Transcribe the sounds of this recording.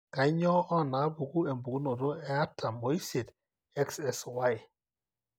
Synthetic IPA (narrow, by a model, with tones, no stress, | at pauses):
ka˨˦ɲɔ˦ɔ˦˨na˨˦bu˨ɡu˦ɛ˨mbu˨˦no˨ɾo˦ɛ˦a˦tʰa˨mo˨˦i˦se˨d | ɛ˦ksɛ˨swa˦j